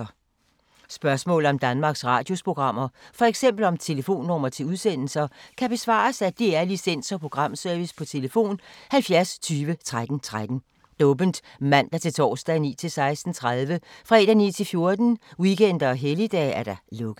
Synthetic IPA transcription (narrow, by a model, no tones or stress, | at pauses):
sb̥ɶɐsmɔ̰̽ːl̩ɒ̽md̥ænmɑ̈ːɡ̥sʁɑ̰̈ːd̥jo̝spʰʁo̝ɡ̥ʁɑ̈m̰ɐfɒ̽eɡ̥sem̰b̥l̩ɒ̽mt͡sʰe̝ləfo̝̰ːnːɒmɐt͡sʰe̝luðˠsen̰l̩sɐkʰæb̥e̝sʋɑ̰̈ːsæd̥eæɐlisen̰sɒ̽pʰʁo̝ɡ̥ʁɑ̈m̰sœɐʋispʰɒ̽t͡sʰe̝ləfo̝̰ːnhælfjæɐst͡sʰyːʋət͡sʰʁad̥n̩t͡sʰʁad̥n̩ | d̥ɔ̽ːb̥ənd̥ | mæn̰d̥ɑt͡sʰe̝lt͡sʰɒ̰ːsd̥ænḭːt͡sʰe̝lsɑ̈ɪsd̥n̩t͡sʰʁað̞ˠʋəfʁɛd̥ænḭːt͡sʰe̝lfjo̝ɐd̥n̩wiken̰d̥ɐɒ̽ɦelid̥ɛ̰ːæɐd̥ɾɑlɔ̽ɡ̥ˠ